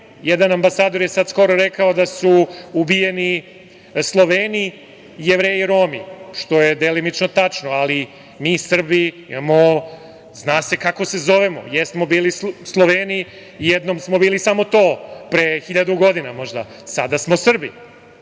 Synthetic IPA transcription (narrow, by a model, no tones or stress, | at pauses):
jed̪anambasaːd̪o̞ɾjesad̪sko̞ɾoɾekaod̪asuubijeni | slˠoʋeːni | jeʋɾeːjiɾoːmḭʃt̪o̞jed̪elinit͡ʃnot̪at͡ʃnoali | miːsr̩biḭmamo | znaːse̞kako̞se̞zoʋemo̰jesmobiːlisslˠoʋeni | jed̪nomsmo̞biːlisamo̞t̪o̞ːpɾexiʎad̪uɡo̞d̪inamo̞ʒd̪a | sad̪asmo̞sr̩bḭ